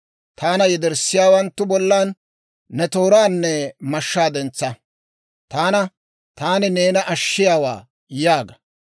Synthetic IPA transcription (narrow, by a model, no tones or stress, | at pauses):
t̪aːnɐjɛd̪ɛɾsːɪjaːwɐnt̪ːʊbɔlːaːnː | ɛt̪oːɾaːnːɛmɐʃːaːd̪ɛnt͡sːɐ | t̪aːnɐ | t̪aːnɪneːnɐʔɐʃːɪjaːwa̰ː | jaːɡɐ